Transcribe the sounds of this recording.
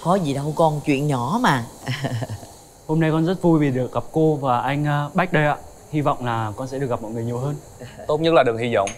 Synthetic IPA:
kɔ˨˦zi˨˩ɗə˧wkɔ˧nt͡ɕwḭ˧˨ənɲɔ˧˩˦maː˨˩ | ho˧mna˧jkɔ˧nzə˦˥t̚vu˧jvi˨˩ɗɨ˨˩ək̚ɣa˨˩p̚ko˧vaː˨˩ʔa˧jŋ̟ʔːɓa˦˥k̟̚ɗə˧jʔa̰ː˧˨ | hi˧vɔ̰˧˨wŋ͡mlaː˨˩kɔ˧nsɛ̰˧˥ɗɨ˨˩k̚mɔ̰˧˨jŋɨ˨˩ɲi˨˩əwɦəː˧n | t̪o˦˥t̚ɲə˦˥t̚laː˨˩ɨ˨˩əŋhi˧zɔ̰˧˨wŋ͡m

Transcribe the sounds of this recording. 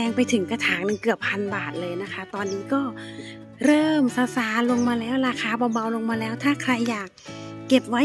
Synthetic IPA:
ɛː˧ŋpa˧jt̪ʰɯ˩˦ŋka˧t̪ʰaː˩˦ŋnɯ˧ŋkɯ˨˩əpʰːa˧nbaː˨˩t̪̚lɤː˧jna˦˥kʰa˦˥t̪ɔː˧nːiː˦˥kɔː˥˩ | ɾɤː˥˩msa˧saː˨˩˦lo˧ŋmaː˧lɛː˦˥˩wɾaː˧kʰaː˧bɔː˧ba˧wlo˧ŋmaː˧lɛː˦˥wt̪ʰaː˥˩kʰɾa˧jːaː˨˩kːe˨˩p̚wa˦˥

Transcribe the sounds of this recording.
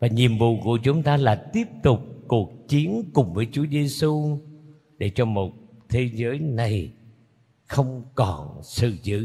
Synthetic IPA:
vaː˨˩ɲi˨˩əmvṵ˧˨kṵ˧˩ət͡ɕʊ˨˦ŋ͡mt̪aː˧laː˨˩t̪i˦˥əp̚t̪ʊ˨˩k͡p̚ku˨˩ək̚t͡ɕi˨˦ənkʊ˨˩ŋ͡mvəː˨˦jt͡ɕu˨˦əze˧su˧ | ɗe˧˩t͡ɕɔ˧mo˨˩t̚t̪ʰe˨˦zəː˨˦jna˨˩j | xə˧wŋ͡mkɔ˨˩nsɨ̰˧˨zɨ̰˧˨

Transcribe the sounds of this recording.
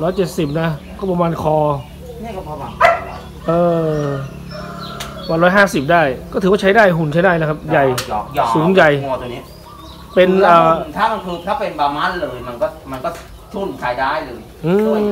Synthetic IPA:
ɾɔː˦˥jt͡ɕe˨˩t̪̚si˨˩p̚na˦˥kɔː˥˩pa˧maː˧nkʰɔː˧ | ni˥˩kɔ˥˩ɔ˧wa˨˧˩ | ʔɤː˧ | waː˧nɾɔː˦˥jɦaː˥˩si˨˩p̚daː˥˩jkɔː˥˩ɯː˦waː˥˩t͡ɕʰa˦˥jdaː˥˩jɦu˨˩nt͡ɕʰa˦˥jdaː˥˩jla˦˥kʰa˦˥p̚ja˨˩jɔ˨˩jsuː˨˦nja˨˩jt̪ʰːni˦˥ | pe˧nʔəː˨˩˨t̪ʰaː˥˩ma˧nkʰɯː˧t̪ʰaː˥˩pe˧nbaː˧maː˦˥˨nlɤː˧jma˧nkɔː˥˩ma˧nkɔː˥˩ | t̪ʰu˥˩nkʰaː˨˧˩jdaː˥˩jlɤː˧j | ʔɯː˧

